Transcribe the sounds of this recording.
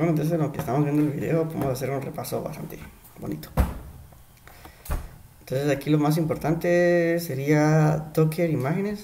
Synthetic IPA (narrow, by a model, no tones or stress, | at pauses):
wenont̪o̞ns̬eakest̪amo̞zβjed̪oelβiðe̞̰opoðḛmosase̞ɾunre̞paso̞βa̰st̪a̰nt̪e | βonḭt̪o̥ | ent̪o̞nse̞sakilomas̬impo̞ɾt̪ant̪ese̞ɾiat̪okʰeɾimaxe̞nes